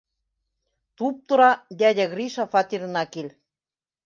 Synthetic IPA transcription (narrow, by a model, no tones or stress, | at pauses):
t̪up̚t̪ɤ̆ɾɑd̪ʲæd̪ʲæɣriʃɑfɑt̪iɾ̆nɑkelʲ